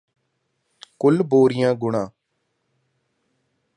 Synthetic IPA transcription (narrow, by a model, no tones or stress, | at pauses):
kʊlboːɾɪjãːɡʊɳãː